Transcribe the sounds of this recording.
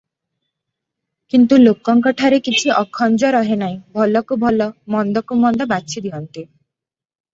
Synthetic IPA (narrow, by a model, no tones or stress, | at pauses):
kint̪ulokɔŋkɔʈʰaɾekit͡ʃʰiʔɔkʰɔnd͡ʒɔɾɔɦenaĩbʱɔlɔkubʱɔlɔmɔnd̪ɔkumɔnd̪ɔbasʰid̪iɦɔnt̪i